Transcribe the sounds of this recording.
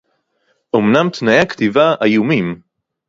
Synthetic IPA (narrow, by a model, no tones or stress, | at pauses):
ʔomnamt̪najekt̪ivaajumim